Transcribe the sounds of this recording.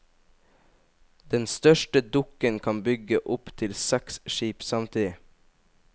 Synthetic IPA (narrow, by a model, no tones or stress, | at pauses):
d̪̥ɛnst̪œʃʈəd̪ʊkənkʰɑnbʏɡəʔʊpt̪ʰɪlsæksʃiːpsɑmt̪ʰiːd̪ɪ